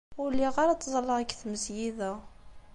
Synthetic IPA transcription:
ʊlːiʁaɾɑt̪ːzˤɑlːɑækːθməsjiðæ

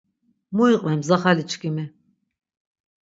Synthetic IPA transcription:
muiqʼvɛmzaχalit͡ʃʰʼkʼimɛ

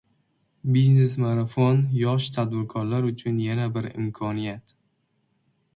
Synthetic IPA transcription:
biznesmaɾafonjɒʃt̪ʰad̪bɪɾkʰɒɾlaɾʊt͡ʃʰʊnjanabɪɾɪ̰mkʰɒnijat̪

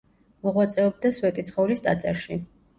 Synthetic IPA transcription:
mɔʁwat̪sʼɛɔb̚d̪asuɛt̪ʼit̪sʰχɔulist̪ʼa̰t̪sʼaɾʃi

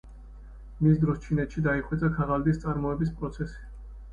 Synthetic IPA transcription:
misd̪ɾɔst͡ʃʰinɛt̪ʃid̪aiχwɛt̪sʼakʰaʁald̪ist̪sʼaɾmɔɛbis̬pʼɾɔt̪sʰɛsi̥

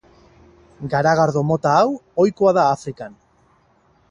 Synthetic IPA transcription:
ɡaɾaɣaɾðo̞mo̞t̪aːwo̞jkoaðaːfɾikan

